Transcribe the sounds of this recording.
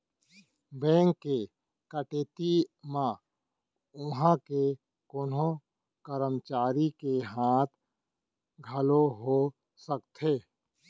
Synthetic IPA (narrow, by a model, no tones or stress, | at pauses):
bɛ̃ːŋkːe | kəʈeːt̪imã | ʊɦãke | koːnõ | kəɾəmt͡ʃaːɾikeɦaːt̪ʰ | ɡʱəloɦo | səkt̪ɦeː